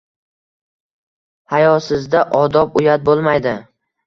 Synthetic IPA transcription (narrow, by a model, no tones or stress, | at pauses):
hajɒsɪzd̪aʔɒd̪ɒp̚ʊjat̪̚bolˠmajd̪ɪ